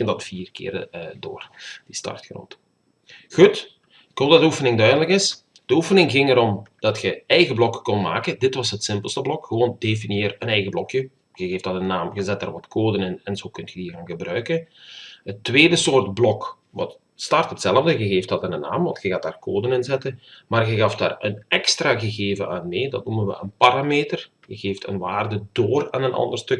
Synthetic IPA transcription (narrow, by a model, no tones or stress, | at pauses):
əndɑtfiːrkɪ̰ːrədo̰ːrdistɑ̰rtxrɔ̰nt | ɣut | ɪkhoːlˠdɑtdəufənɪŋdœɥdələkɪs | d̥əufənɪŋɣɪŋəɾɔmd̥ɑtxəɛjɣəblɔkkɔntma̰ːkəndɪtʋɑsɦətsɪmpəlˠstəblɔkxəʋoːndefinieːrənɛjɣəblɔkjə | ɣəɣeːftɑtənnːaːmɣəzɛt̚daːrʋɑtkʰoːdənɪnɛnzoːkɵntxəiːɾaːnɣəbrœɥkənɦətːweːdəsoːrtblɔk | ʋɑ̰t | stɑrtɦətsɛləvdəɣəɣeːfthɑtɪnənːa̰ːmʋɑntxəɣaːtdaːrkoːdənɪnzɛtənmaːrɣəɣɑfda̰ːrənɛkstraːɣəɣeːvənaːnmeːdɑ̰t̚numənʋə̰ənpaɾaːmeːtər | ɣəɣeːftʰə̰nʋaːrdədoːra̰ːnənʔɑ̰ndərstɵk